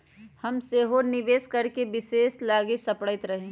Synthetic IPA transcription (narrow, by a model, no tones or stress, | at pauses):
hɐmseɦonɪʋeːskɐɾkebɪseːslaːɡisɐpɽəɪt̪ɾɐɦẽ